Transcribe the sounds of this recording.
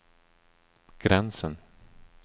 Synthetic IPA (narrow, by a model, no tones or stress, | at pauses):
ɡ̥ɾɛnsən